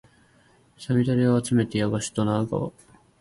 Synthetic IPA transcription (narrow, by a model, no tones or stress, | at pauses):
samʲid̪aɾʲiaːt͡sɨme̞t̪ejaβaɕi̥t̪onaɯɡa̰βa̰